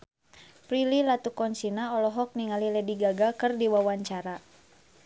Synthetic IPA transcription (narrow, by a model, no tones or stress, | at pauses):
pɾililat̪ukɔnt͡ʃinaɔlɔɦɔk̚niŋalilɛdiɡaɡakɨrdiwawaɲt͡ʃaɾa